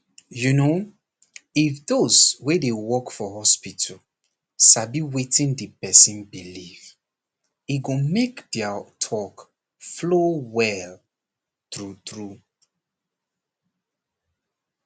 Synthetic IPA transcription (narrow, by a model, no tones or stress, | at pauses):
juno | ifdozwedewɔkfɔhɔspitʰəl | ʃabiwetĩndipɛsĩnbiliv | iɡomekdɛatʰɔk | flowɛl | tɹutɹu